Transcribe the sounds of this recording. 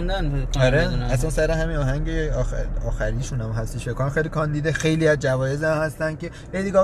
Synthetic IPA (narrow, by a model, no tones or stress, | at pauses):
nd̪ænbeɒɾeæsænsæɾeɦæmiːnɒːɦæŋɟeɒːxæɾiːʃunæmɦæst̪iʃfekʰonæmxejlikʰɒnd̪iːd̪exe̞jliːæzd͡ʒævɒːje̞zæmhæst̪ænd̪̥̚ce | hejd̪iɡɒ